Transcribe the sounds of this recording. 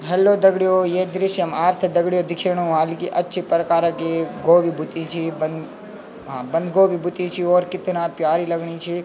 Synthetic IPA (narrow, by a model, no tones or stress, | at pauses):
ɦɛlːod̪ɐɡɽijoːjeːd̪ɾɪʃjɐmaːɾt̪ʰd̪ɐɡɽijod̪ɪkʰeɳ̃ũɦaːlikiʔɐtːʃʰipɾɐkaːɾakeɡoːʋibʱut̪ĩt͡ʃʰibən | ɦabɐ̃nd̪ʱɡoːʋibʱut̪ĩt͡ʃʰioːɾkɪt̪ʰːunãːpjaːɾilɐɡɳit͡ʃʰi